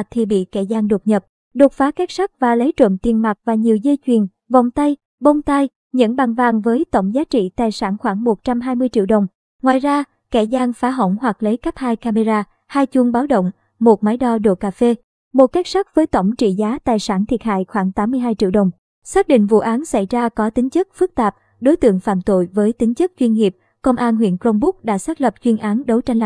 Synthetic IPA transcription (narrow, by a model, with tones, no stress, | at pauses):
t̪ʰi˨˩ɓḭ˧˨kɛ̰˧˩zaː˧ŋɗo˨˩t̚ɲə˨˩p̚ | ɗo˨˩t̚faː˨˦ka˦˥k̚t̚sa˦˥k̚vaː˨˩lə˨˦jt͡ɕə̰˧˨nt̪i˨˩ənma˨˩t̚vaː˨˩ɲi˨˩əwzə˧jt͡ɕwi˨˩ən | vɔ̰˧˨wŋ͡mt̪a˧j | ɓo˧wŋ͡mt̪a˧j | ɲə̰˧˥nɓa˨˩ŋvaː˨˩ŋvəː˨˦jt̪ə˧˩wŋ͡mzaː˨˦t͡ɕḭ˧˨t̪aː˨˩jsaː˧˩nxwaː˧˩ŋmo˨˩t̚t͡ɕa˧mɦaː˧jmɨ˧əjt͡ɕḭ˧˨əwɗə˨˩wŋ͡m | ŋwaː˨jzaː˧ | kɛ˧˩zaː˧ŋfaː˨˦ɦə̰˧˩wŋ͡mhwa˨˩k̚lə˨˦jkə˦˥p̚haː˧jkaː˧me˧zaː˧ | haː˧jt͡ɕu˧əŋɓaː˨˦wɗə̰˧˨wŋ͡m | mo˨˩t̚maː˨˦jɗɔ˧ɗo̰˧˨kaː˧fe˧ | mo˨˩t̚ka˦˥jk̚sa˦˥k̚vəː˨˦jt̪ə˧˩wŋ͡mt͡ɕḭ˧˨zaː˨˦t̪aː˨˩jsaː˧˩nt̪ʰi˨˩ət̚ha̰ː˧˨jxwaː˧˩ŋt̪aː˨˦mːɨ˧əjɦaː˧jt͡ɕḭ˧əwɗə˨˩wŋ͡m | saː˦˥k̚ɗḭ̈˧˨ŋ̟vṵ˧˨ʔaː˨˦nsa˧˩jzaː˧kɔ˨˦t̪ï˨˦ŋ̟t͡ɕɨ˦˥k̚fɨ˦˥k̚t̪aː˨˩p̚ | ɗo˨˦jt̪ɨ̰˧˨əŋfa̰ː˧˨mt̪o̰˧˨jvəː˨˦jt̪ï˨˦ŋt͡ɕɨ˦˥k̚t͡ɕwi˧nŋi˨˩əp̚ | kə˧wŋ͡mʔaː˧nɦwḭ˧˨ənklo˧wŋ͡mɓʊ˦˥k̚ɗa̰ː˧˥saː˦˥t̚lə˨˩p̚t͡ɕwi˧nʔaː˨˦nɗə˨˦wt͡ɕa˧jŋl